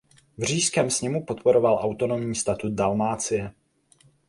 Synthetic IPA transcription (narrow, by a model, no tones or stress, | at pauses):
vr̝iːskɛːmsɲɛmupo̞t̪po̞ɾo̞valʔawt̪o̞no̞mɲiːst̪at̪ut̪̚dalmaːt͡sɪjɛ